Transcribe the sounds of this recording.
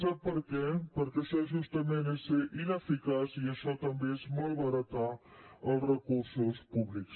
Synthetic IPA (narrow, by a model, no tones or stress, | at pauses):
sapəɾkepəɾkesɛʒust̪əmẽneseʔinefikasiəʃɔt̪ɐmbesmolbaɾat̪aəlrəkuɾsospubliks